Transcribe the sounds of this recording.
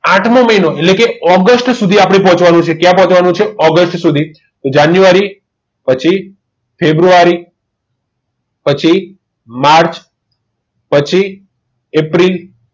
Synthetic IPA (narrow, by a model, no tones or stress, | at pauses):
aʈʰmõməinoeʈlekeɔɡəsʈsud̪ʱiapɽ̃epɔ̃ɦɔ̃t͡ʃʰʋanũt͡ʃʰekjãpɔ̃ɦt͡ʃʋanũt͡ʃʰeɔɡəsʈsud̪ʱi | t̪od͡ʒanjuʋaɾi | pət͡ʃʰi | febɾuaɾi | pət͡ʃʰi | maɾt͡ʃ | pət͡ʃʰi | epɾil